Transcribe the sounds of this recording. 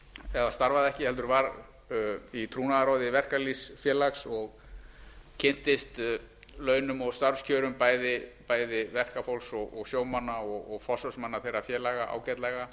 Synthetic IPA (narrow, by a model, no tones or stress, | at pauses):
ɛðast̪aɾvaðɛhcɪhɛlt̪ʏɾvaɾ | it̪ʰɾuːnaðaɾoːwðɪvɛr̥kalisfjɛːlaksɔɣ | cʰɪn̥t̪ɪst̪lœːɥnʏmɔɣst̪aɾfscʰœːɾʏmpaːjðɪpaːjðɪvɛr̥kafowlsɔɣɔɣsjoːwmanːaɔɣɔɣfɔsœsmanːaθejrafjɛːlaɣaʔa̰ːwcɛt̪lɛɣa